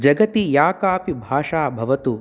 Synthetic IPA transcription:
d͡ʒɐɡɐt̪ijaːkaːpibʱaːʂaːbʱɐʋɐt̪u

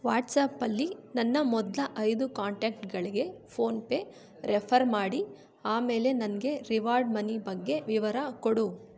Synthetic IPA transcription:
ʋaːʈsaːpɐlːinɐnːɐmɔd̪lɐʔɐjd̪ukaːɳʈeːkʈɡɐɭiɡe̞pʰo̞ːnpe | ɾɛpʰɐɾmaːɽi | aːme̞ːle̞nɐnɐɡe̞ɾiʋaːɾɖmɐnibɐɡːe̞ʋiʋɐɾɐkoɽu

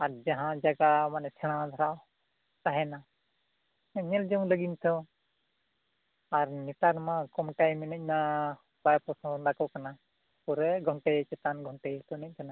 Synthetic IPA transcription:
aɾd͡ʒaɦãd͡ʒaɡamanɛt͡ʃʰɛɽ̃ãd̪ʱɔɾaw | t̪aɦɛna | ɲɛld͡ʒɔŋləɡint̪ʰɔ | aɾnit̪aɾmãkɔmʈajminəc̚na | bajpɔsɔ̃dakɔkana | puɾɛɡʱɔɳʈɛt͡ʃɛt̪anɡʱɔɳʈɛt̪ɔnɛc̚kana

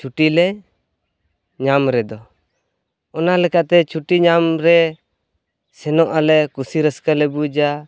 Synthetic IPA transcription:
t͡ʃʰuʈilɛ | ɲamɾɛd̪ɔ | ɔnalɛkaʔt̪ɛt͡ʃʰuʈiɲamɾɛ | sɛnɔʔalɛkusiɾəskalɛbud͡ʒa

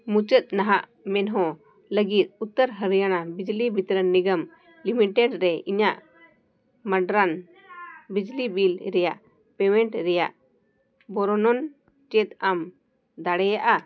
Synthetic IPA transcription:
mũt͡ʃət̪̚ˀnaɦaʔ | mɛnɦɔ̃ | ləɡit̪̚ut̪ːəɾɦəɾjaɽ̃abid͡ʒlibit̪ɾənːiɡəm | limiʈɛɖɾɛʔiɲaʔ | məɖɾan | bid͡ʒlibilɾɛjaʔ | pɛmɛɳʈɾɛja̰ʔ | bɔɾɔnɔn | t͡ʃɛt̪̚am | d̪aɽɛjaʔa

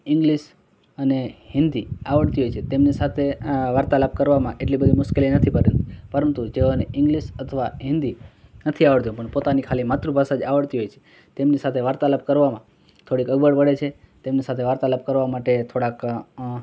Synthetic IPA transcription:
ɪ̃ŋɡliʃ | ənehɪnd̪iaʋəɭt̪iɦojt͡ʃʰet̪emnisat̪ʰeʋaɾt̪aləp̚kəɾʋamãʔeʈlibəd̪ʱimʊʃkelinət̪ʰipəɾənt̪ipəɾənt̪ud͡ʒeoneʔɪ̃ŋɡliʃət̪ʰəʋaɦɪ̃nd̪inət̪ʰiaʋəɭt̪ijũpəɳpot̪anikʰalimat̪ɾubʱasad͡ʒaʋəɭt̪iɦojt͡ʃʰe̥ | t̪emnisat̪ʰeʋaɾt̪aləp̚kəɾʋamã | t̪ʰoɽikəɡbəɽpəɽet͡ʃʰe | t̪emnisat̪ʰeʋaɾt̪aləp̚kəɾʋamaʈet̪ʰoɽak

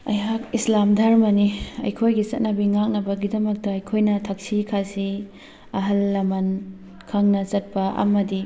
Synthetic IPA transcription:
ɐ̰jakislamdʱɐɾmɐniɐ̰jkʰojɡit͡ʃɐ̰t̚nɐbiŋak̚nɐbɐɡidɐmɐk̚tɐɐjkʰojnɐtʰɐk̚sikʰasi | ɐɦɐlːɐmɐn | kʰɐŋnɐt͡ʃɐt̚pɐɐ̰mɐdi

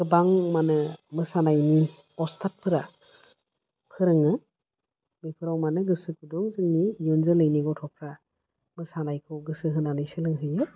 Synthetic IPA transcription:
ɡɯbaŋmanɯmɯsanajni | ɔstʰat̚pʰɯɾa | pʰɯɾɯŋɯ | mipʰɯɾɔwmanɯɡɯsɯk̚ʰudɔŋzɯŋnijunzɯlɯjniɡɔtʰɔpʰɾa | mɯsanajkʰɔwɡɯsɯɦɯnanɯjsɯlɯŋɦɯjɯ

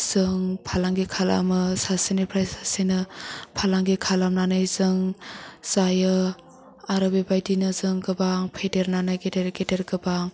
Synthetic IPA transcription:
z̥ɯŋpʰalaŋɡikʰala̰mɯsasenepʰɾajsasenɯpʰalaŋɡikʰalamnanɯjzɯŋz̥ajɯ | aɾɯbebajdinɯzɯŋɡɯbaŋpʰedeɾnanɯjɡedeɾɡedeɾɡɯbaŋ

